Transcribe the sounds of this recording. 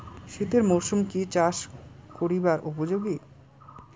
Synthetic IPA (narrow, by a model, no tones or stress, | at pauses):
ʃit̪eɾmoʃumkit͡ɕaʃkoɾibaɾupod͡ʑoɡi